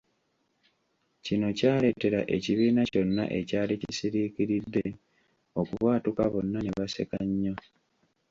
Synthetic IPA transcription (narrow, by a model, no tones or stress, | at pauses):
cino̞caːɾe̞te̞ɾa̰ʔe̞ciβiːnaco̞nːa̰ʔe̞caːlicisiɾiciɾidːe̞ | o̞kuβwaːtukaβo̞nːaneβasḛkaɲːo